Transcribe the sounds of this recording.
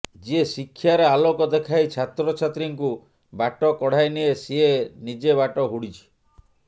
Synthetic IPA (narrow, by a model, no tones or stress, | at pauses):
d͡ʒiesikʰːjaɾealokɔd̪ekʰajt͡ʃʰat̪ɾɔt͡ʃʰat̪ɾiŋku | baʈɔkɔɽ̤ajniesienid͡ʒeβaʈɔɦuɽit͡ʃʰi̥